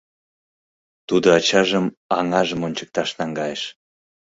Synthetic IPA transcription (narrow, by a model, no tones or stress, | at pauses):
t̪ud̪oɑt͡ɕɑʒəmɑŋɑʒəmonʲt͡ɕə̥k̚t̪ɑʃnɑŋɡɑjeʃ